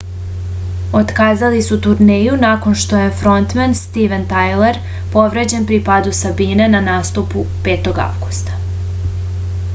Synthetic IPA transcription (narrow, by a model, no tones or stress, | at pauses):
o̞t̪kaːzalisut̪uɾnejunako̞nʃt̪o̞je̞fɾo̞nt̪menst̪iʋent̪ajle̞ɾ | po̞ʋɾed͡ʑe̞npɾipad̪usabine̞nanaːst̪upupe̞ːt̪o̞ɡa̰ʋɡust̪ḁ